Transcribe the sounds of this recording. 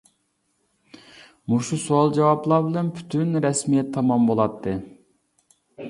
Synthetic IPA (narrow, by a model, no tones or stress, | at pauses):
muʃusuɑlˠd͡ʒɛwɑplˠɑɾbɪlɛnpʰy̥t̪ʰynɾɛsmijɛt̪ʰːɑmɑmbolˠɑt̪ʰːɨ